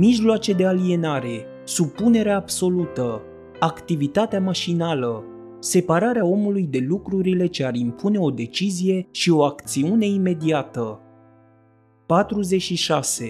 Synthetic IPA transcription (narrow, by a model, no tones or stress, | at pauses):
miʒloat͡ʃe̞d̪e̞alie̞naɾe̞ | supːune̞ɾeaːbso̞lut̪ə | akt̪ivit̪at̪eamaʃinalə | se̞paɾaɾeao̞mulujd̪e̞lukɾuɾile̞t͡ʃe̞aɾimpʰune̞o̞d̪e̞t͡ʃizije̞ʃio̞akt̪siune̞ime̞d̪iat̪ə | pat̪ɾuze̞t͡ʃʃiʃase̞